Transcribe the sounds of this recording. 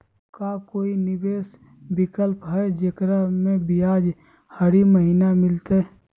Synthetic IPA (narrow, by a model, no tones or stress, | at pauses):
kakoːinɪbeːs | bɪkəlpɦəed͡ʒekɾamẽbijaːd͡ʒ | həɾiməɦinamɪlt̪e